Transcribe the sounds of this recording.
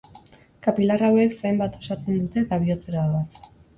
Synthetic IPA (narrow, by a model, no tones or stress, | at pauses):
kapilarawe̞kfajmbat̪o̞saɾt͡se̞nd̪ut̪e̞t̪aβ̞iot͡seɾaða